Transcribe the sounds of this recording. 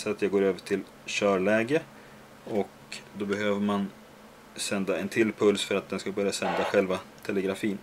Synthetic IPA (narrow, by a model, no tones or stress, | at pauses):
sat̪jaɡoːɾøːvəʈʰɪl | ɕœːɭɛːɡə | ɔk | d̪ɔbɛɦøːvəɾman | sɛnd̪aɛnt̪ʰɪlːpʰɵlsfœɾat̪̚d̪ɛnskabœɾjasɛnd̪aɧɛlvat̪ʰɛlɛɡɾafiːn